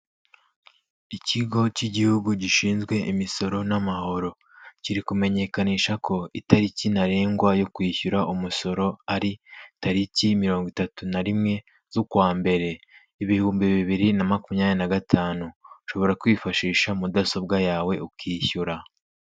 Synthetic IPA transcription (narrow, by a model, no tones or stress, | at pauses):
iciɡo̞ciɟihuɡuɟiʃiːnzɡwe̞ʔimiso̞ɾo̞namaɦo̞ɾo̞ | ciɾikume̞ɲe̞kaniːʃakʰo̞itaɾicinaɾeːŋɡwajo̞kwiːçuɾaʔumuso̞ɾo̞aɾitaɾicimiɾo̞ːŋɡwitatunaɾimŋe̞ | z̥ukwaːmbe̞ɾe̞ | iβihuːmbiβiβiɾinamakumɲaːnenaɡatʰaːnuʃo̞βo̞ɾakwiːfaʃiːʃamudaso̞b̚ɡajaːwe̞ukiːçuɾa